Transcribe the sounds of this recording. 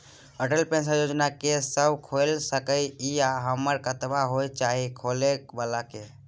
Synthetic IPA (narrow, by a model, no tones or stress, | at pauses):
əʈəlpẽnsajod͡ʒnakesəbkʰolsəkəiijaɦəməɾkət̪baɦojt͡ʃaɦikʰolekbalake